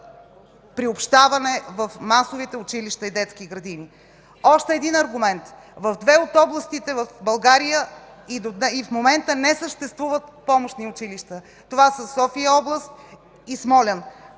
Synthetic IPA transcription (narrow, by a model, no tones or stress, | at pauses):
pɾiopʃt̪avɐnɛvɐfmasovit̪ɛʊt͡ʃiliʃt̪əid̪ɛt̪skiɡɾɐd̪ini | ɔʃt̪ɛːd̪inɐɾɡʊmɛnt̪ | vəvd̪vɛot̪ɔblˠəst̪it̪ɛvɐfbɐlˠɡaɾijə | id̪od̪nɛifmomɛnt̪ənɛsəʃt̪ɛst̪vuvət̪pɔmoʃniʊt͡ʃiliʃt̪ə | t̪ovasəsɔfiəɔblˠəst̪̚ | ismɔlʲən